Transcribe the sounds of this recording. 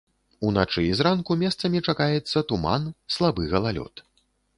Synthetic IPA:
unat͡ʂɨizrankumʲɛst̪sɐmʲit͡ʂakajɛt̪sːɐt̪uma̰nslˠabɨɣɐlˠalʲɔ̰t̪

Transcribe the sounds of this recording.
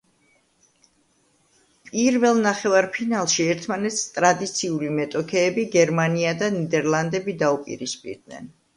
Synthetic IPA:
pʼiɾvɛlˠnaχɛvaɾpʰinalˠʃiɛɾt̪ʰmanɛt̪st̪ʼɾad̪it̪sʰiulimɛt̪ʼɔkʰɛːbiɡɛɾmaniad̪anid̪ɛɾlˠand̪ɛbid̪aupʼḭɾispʼḭɾd̪nɛ̰n

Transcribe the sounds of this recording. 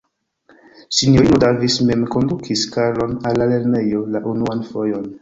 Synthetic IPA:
sinjoɾinodavisme̞mko̞ndukʰiskalo̞nalːale̞ɾne̞jo̞laʔunuanfo̞jo̞n

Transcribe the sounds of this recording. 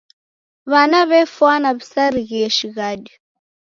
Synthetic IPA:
βanaβɛfwanaβisaɾiɣiɛʃiɣadɔ

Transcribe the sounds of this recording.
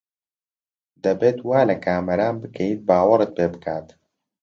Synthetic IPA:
d̪ɐbeːt̪waːlɐkʰaːmɐɾaːnbɨkʰɛjiːt̪̚baːwɾɨt̪̚peːbɨkʰaːt̪

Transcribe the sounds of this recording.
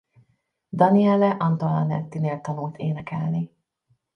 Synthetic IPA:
d̪ɒniɛlɛʔɒnt̪olɑnɛ̰t̪ːineːlt̪ɒnult̪ʰeːnɛkɛlni

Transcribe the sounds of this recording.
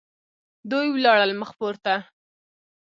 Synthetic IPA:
d̪ujwlɑɽəlməxpoɾt̪a

